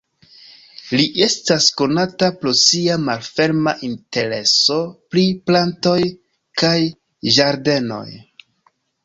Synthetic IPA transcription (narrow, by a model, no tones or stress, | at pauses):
liʔe̞stasko̞natapɾo̞siamalfe̞ɾmaʔinte̞ɾe̞so̞pɾiplanto̞j | kaj | ʒaɾde̞no̞̰j